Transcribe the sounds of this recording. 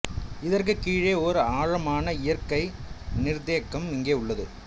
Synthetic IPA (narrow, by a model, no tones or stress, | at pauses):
ɪðɐrk̬ɯkiːɻeːɔɾɯaːɻɐmaːnɐɪjɐɾkɐɪnɪɾd̪eːkːɐmɪŋɡeːʊɭːɐðɯ